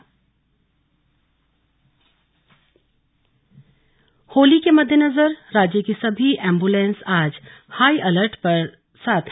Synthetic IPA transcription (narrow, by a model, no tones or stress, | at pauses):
hoːlikemɐd̪ʱːjenɐzəɾɾaːd͡ʒjəkisɐbʱiʔɛ̃ːmbulẽːnsaːd͡ʒ | haːiʔɐləɾʈpɐɾ | saːt̪ʰ